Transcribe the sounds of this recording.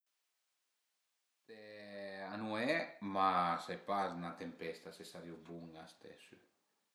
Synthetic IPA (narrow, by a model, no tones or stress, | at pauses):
t̪ɛanuɛmasajpaznat̪empɛst̪asesaɾiubuŋast̪ɛ̰sy